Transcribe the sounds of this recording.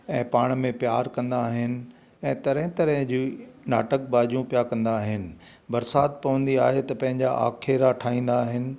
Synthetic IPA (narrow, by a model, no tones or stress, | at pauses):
ɛ̃ːpaːɽ̃mẽpjaːɾkɐ̃nd̪aːɦɪnɪ̆ | ɛ̃ːt̪ɐɾɛ̃ɦɪ̃t̪ɐɾəɦd͡ʑiːnaːʈək̚baːd͡ʑjũpjakɐ̃nd̪aːɦɪnɪ̆ | bɐɾsaːt̪̚pɐʋə̃nd̪iaːɦet̪ɐpɐ̃ɦɪ̃ɲd͡ʑaʔa̰ːkʰeɾaʈʰaːĩːn̆d̪aːɦɪnɪ̆